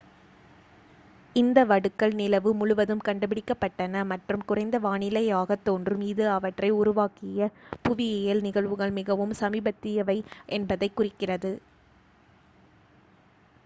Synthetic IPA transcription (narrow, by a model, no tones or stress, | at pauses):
ɪnd̪ɐʋɐɽɯkːɐɭnɪlɐʋɯmʊɻʊʋɐðɯmkɐɳɖɐpːɪɽɪkːɐpːɐʈːɐnɐmɐʈrɯmkʊrɐɪnd̪ɐʋaːɳɪlɐjaːɣɐt̪ːoːndrɯmiːðɯɐʋɐʈrɐɪʊɾʊʋaːkɪjɐpʊʋɪjeːjɐlnɪɣɐɭʋɯɣɐɭmɪɣɐʋɯmsɐmiːbɐt̪ːɪjɐʋɐɪʔɛnbɐðɐɪkːʊrɪkːɪrɐðɯ